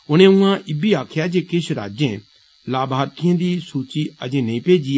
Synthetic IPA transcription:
ʊñẽʊ̃ãʔɪbiaːkʰjaːd͡ʒeːkɪʃɾa̰ːd͡ʒẽː | laːbʱaːɾkiẽːd̪iːsuːt͡ʃiɐd͡ʒẽːnɐ̃ĩpeːd͡ʒi

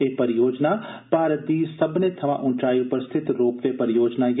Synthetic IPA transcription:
epəɾɪjoːd͡ʒnapaːɾəd̪iːsɐbnet̪ʰɐmã̰ʔʊ̃ɳt͡ʃaːiʊpəɾst̪ʰɪt̪ɾoːpʋepəɾɪjoːd͡ʒnaj

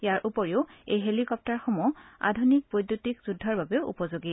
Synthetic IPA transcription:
jaɹʔupɔɹiʊejɦelikɔp̚taɹxɔmɔa̰dʱunik̚pojdjotikz̥udʱːɔɹbabɛʊʔṵpɔzoɡi

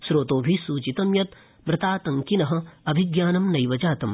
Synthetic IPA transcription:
sɾoːt̪oːbʱisuːt͡ʃit̪ɐmjɐt̪ | mɾɪt̪aːt̪ɐŋkinɐɦɐ̆ɐbʱɪɡjaːnɐmnɐjʋɐd͡ʒaːt̪ɐm

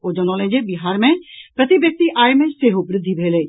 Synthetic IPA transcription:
od͡ʑənoːlẽd͡ʑebɪɦaːɾmẽpɾɐt̪ibjɐk̚t̪iʔaːjmẽseːɦobɾɪd̪ʱːibʱeːle

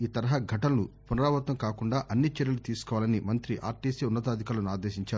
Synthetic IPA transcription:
iːt̪ɐɾɐɦɐɡʱɐʈɐlɐnupunɐɾaːʋɐt̪ʋɐmkaːkuɳɖaːʔɐnːit͡ʃeɾjɐlut̪iːsu̥kɔːʋaːlɐnimɐnt̪ɾiʔa̰ːɾʈiːseːunːɐt̪aːd̪ʱikaːlɐnaːd̪eːʃiɲt͡ʃaːɾu

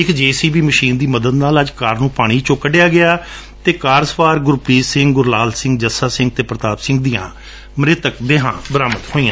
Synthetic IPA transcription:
ɪkd͡ʒeːsiːbiːməʃiːnd̪iːməd̪əd̪naːləd͡ʒkaːɾnũːpaːɽ̃iːt͡ʃõːkːəɖɪjaːɡɪaː | t̪eːkaːɾsəpaːɾɡʊɾpɾiːsɪ̃ŋɡɡʊɾlaːlsɪ̃ŋɡd͡ʒəsaːsɪ̃ŋɡ̚t̪eːpɾət̪aːpsɪ̃ŋɡ̚d̪ijã̰ː | məɾɪt̪ək̚b̪eːɦã̰ːbəɾaːmət̪hoːiːãː

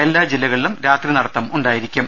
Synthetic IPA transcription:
e̞lːaːd͡ʑilːɐɣɐɭilumɾaːt̪rinɐɽɐt̪ːɐmuɳɖaːjiɾikʲːum

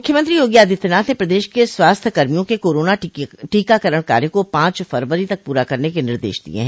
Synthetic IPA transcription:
ʊkʰːjəmɐ̃nt̪ɾijoːɡijaːd̪ʱɪt̪naːt̪ẽpɾɐd̪eːʃkeswaːst̪ʰkɐɾmijõkekoːɾoːnaʈiːkakɐɾəɽ̃ka̰ːɾẽkopãːt͡ʃfɐɾʋəɾit̪ɐk̚puːɾakɐɾnekenɪɾd̪ḛːʃd̪ḭḛɦɛ̃

